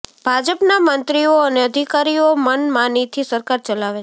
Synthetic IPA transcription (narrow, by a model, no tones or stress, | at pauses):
b̥ʱad͡ʒəpnamənt̪ɾioəneəd̪ʱikaɾiomənmãnit̪ʰisəɾkaɾt͡ʃəlaʋe